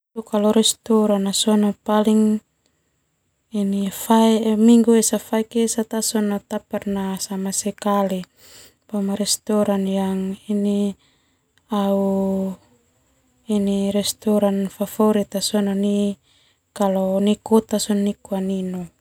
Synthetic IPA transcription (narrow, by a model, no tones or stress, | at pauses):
tukalɔɾɛst̪ɔɾanasɔnɔpaliŋ | inifaimiŋɡuɛsafaikesat̪asɔnɔt̪apɛrnasamasɛkali | pamaɾɛst̪ɔɾanjaŋini | au | iniɾɛst̪ɔɾanfafɔɾit̪asɔnɔni | kalɔnikɔt̪asɔnnikuaninɔ